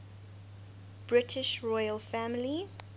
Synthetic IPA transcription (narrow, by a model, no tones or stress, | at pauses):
b̥ɹɪtʰɪʃɹɔɪəlˠfæmli